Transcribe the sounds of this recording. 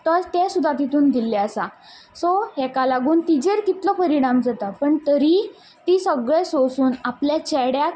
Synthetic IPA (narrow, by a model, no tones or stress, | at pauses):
t̪əɾt̪ɛsud̪ʱat̪̬it̪uːnd̪ilːɛəsa | soɦɛkalaɡuːnt̪id͡ʑeɾkit̪lɔpəɾiɽ̃amd͡zat̪apəɳt̪əɾi | t̪iːsəɡɭesosuːnapljat͡ɕɛɽjak